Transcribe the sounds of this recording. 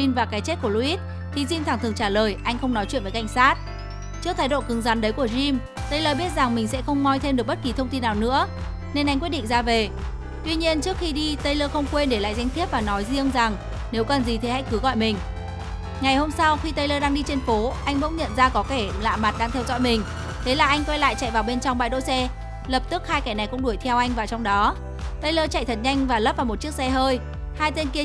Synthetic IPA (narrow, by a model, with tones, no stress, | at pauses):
i˧nvaː˨˩kaː˨˦jt͡ɕe˦˥t̚ku˧˩əlu˧ʔi˦˥t̚ | t̪ʰi˨˩zi˧mt̪ʰaː˧˩ŋt̪ɨ˨˩ə˩ŋt͡ɕaː˧˩ləː˨˩jʔa˧jŋ̟xə˧wŋ͡mnɔ˨˦t͡ɕw̰nvə˨˦ka˧˩jŋ̟saː˦˥t̚ | t͡ɕɨ˦˥ək̚t̪ʰaː˧˩jɗo̰˧˨kɨ˨˦ŋza˨˦nɗə˨˦jku˧˩əzi˧m | t̪ə˧jləː˧ɓi˦˥ət̚za˨˩ŋmï˨˩ŋ̟sɛ̰˧˥xə˧wŋ͡mmɔ˧jt̪ʰe˧mɗɨ˨˩ək̚ɓə˦˥t̚ki˨˩t̪ʰə˧wŋ͡mt̪i˧nːaː˨˩wnɨ̰˧˥ə | ne˧nʔa˧jŋkwtɗḭ˧˨ŋ̟zaː˧ve˨˩ | t̪wi˧ɲi˧ənt͡ɕɨ˦˥ək̚xi˧ɗi˧t̪ə˧jləː˧xə˧wŋ͡mkwe˧nɗe˧˩la̰ː˧˨jza˧jŋt̪ʰəp̚vaː˨˩nɔ˨˦jzi˧əŋza˨˩ŋ | ne˨˦wkə˨˩nzi˨˩t̪ʰe˨˩˦ha̰˧˥jkɨ˨˦ɣɔ̰˧˨jmï˨˩ŋ̟ | ŋa˨˩jho˧msa˧wxi˧t̪ə˧jləː˧ɗaː˧ŋɗi˧t͡ɕe˧nfo˨˦ʔa˧jŋɓə̰˧˥wŋ͡mɲə̰˧˨nzaː˧kɔ˨˦ke˧˩la̰ː˧˨ma˨˩t̚ɗaː˧ŋt̪ʰɛ˧wzɔ̰˧˥jmï˨˩ŋ̟ | t̪ʰe˨˦laː˨˩ʔa˧jŋkwɛ˧jla̰ː˧˨jt͡ɕa̰˧˨jvaː˨˩wɓe˧nt͡ɕɔ˧ŋ͡mɓa̰ː˧˨jɗo̰˧˥jsɛ˧ | lə˨˩p̚t̪ɨ˦˥k̚haː˧jkɛː˧˩na˨˩jkʊ̰˧˥ŋ͡mɗu˧˩əjt̪ʰɛ˧wʔa˧jŋ̟vaː˨˩t͡ɕɔ˧wŋ͡mɗɔ˨˦ | t̪ə˧jləː˧t͡ɕa̰˧˨jt̪ʰə˨˩t̚ɲa˧jŋ̟vaː˨˩lə˦˥p̚vaː˨˩mo˨˩t̚t͡ɕi˦˥ək̚sɛ˧ɦəː˧j | haː˧jt̪e˧nki˧